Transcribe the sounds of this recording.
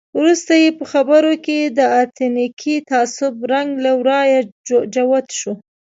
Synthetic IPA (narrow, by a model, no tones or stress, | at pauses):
wɾust̪ajepəxabəɾoked̪əat̪nikʰit̪aːsʊbɾaŋɡlawɾɑjad͡ʒawat̪ʃo